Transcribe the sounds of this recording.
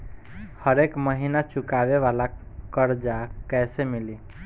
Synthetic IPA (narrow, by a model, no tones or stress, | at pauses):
həɾekməɦinat͡ʃukabeβalakəɾd͡ʒakɛsemili